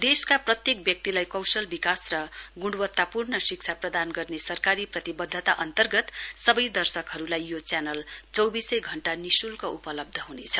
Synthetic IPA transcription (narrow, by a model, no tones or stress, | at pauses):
d̪eskaprʌt̪jek̚bjʌk̚t̪ilajkʌwsʌlbikasrʌɡuɽɖwʌt̪ːapurnʌsik̚t͡sʰaprʌd̪anɡʌrnesʌrkaɾiprʌt̪ibʌd̪ʱːʌt̪aʔʌnt̪ʌrɡʌt̪sʌbʌjd̪ʌrsʌkɦʌɾulajjot͡sjanʌlt͡sʌwbisʌjɡʱʌɳʈanisulkoʔupʌlʌb̚d̪ʱʌɦunet͡sʰʌ̥